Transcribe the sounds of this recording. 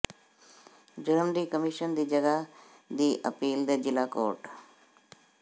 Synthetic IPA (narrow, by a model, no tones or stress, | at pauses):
d͡ʒʊɾəmd̪iːkəmiʃənd̪iːd͡ʒəɡa | d̪iːʔə̰piːld̪eːd͡ʒɪlaːko̰ːɾʈ